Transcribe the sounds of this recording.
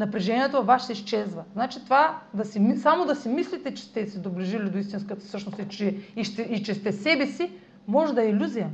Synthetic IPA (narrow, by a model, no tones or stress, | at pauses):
nɐpɾɛʒɛniɛt̪ovaʃsɛiʃt͡ʃɛzvɐznat͡ʃit̪ovad̪ɐsimisamod̪ɐsɛmislit̪ɛt͡ʃɛ̥st̪ɛsɛd̪obliʒilid̪oist̪inskət̪ə̥fsɤʃnost̪it͡ʃɛiʃt̪ɛit͡ʃɛst̪ɛsɛbɛsi | mɔʒɛd̪ɐɛilʲuzijə